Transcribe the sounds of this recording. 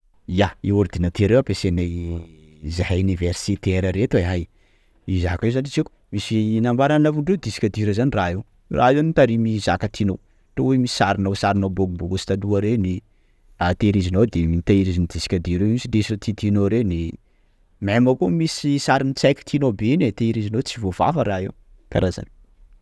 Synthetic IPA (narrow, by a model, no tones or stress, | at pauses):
ijaiuɾd̪inat̪eɾewapesenej | zahauniversit̪eɾəɾet̪eɦaj | izakewzanit͡ʃiku̥ | misinambaɾannavuɳɖ͡ʐewd̪isi̥kʲad̪iɾəzaniraɦew | rʔa̰enit̪aɾimizakat̪ʰinow | ʈ͡ʂowemisi̥saɾinowsaɾinowboɡuboɡusi̥t̪aluəɾeni | at̪eɾizinowd̪emit̪aiɾizinid̪isi̥kʲad̪iɾemisidesiət̪it̪inoɾeni | mamakomisisaɾinit͡sajkʲi̥t̪ʰinobenet̪eiɾizinowt͡sivova̰fəɾaɦew | ka̰ɾaza̰ni̥